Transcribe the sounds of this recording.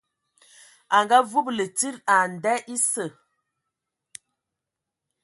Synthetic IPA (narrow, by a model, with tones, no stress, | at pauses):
a˨ŋɡa˦vu˦plə˨ti˦ɾa˨n˨dɛ˦ʔi˦sə˨